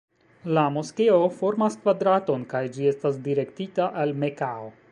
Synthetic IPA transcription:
lamoske̞o̞fo̞ɾmaskvadɾato̞nkajd͡ʒie̞stasdiɾe̞ktitaʔalme̞kao

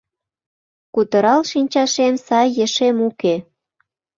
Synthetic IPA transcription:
kut̪ə̆ɾɑlʃinʲt͡ɕɑʃemsɑjːə̆ʃemuke

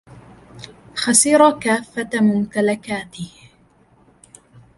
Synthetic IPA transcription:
xasiɾˤɑkaːfːamʊmt̪alakaːt̪ɪh

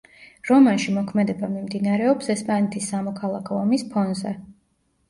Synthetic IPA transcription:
ɾɔmanʃimɔkʰmɛd̪ɛbamimd̪inaɾɛɔpsɛspʼanɛt̪ʰisːamɔkʰalˠakʰɔːmispʰɔnzɛ

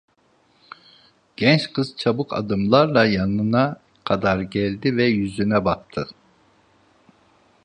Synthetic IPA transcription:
ɟ̥ɛnt͡ʃkʰɯz̥t͡ʃʰabɯkʰa̰d̪ɯmlˠaɾlˠajanɯna | kʰad̪aɾɟɛlʲd̪ivɛjyzynɛbak̚t̪ʰɯ

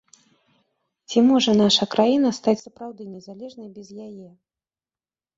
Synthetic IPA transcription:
t͡sʲimɔʐɐnaʂɐkɾajin̪ɐst̪at͡sʲsɐpɾawd̪ɨnʲɛzalʲɛʐnɐjbʲɛzjajɛ

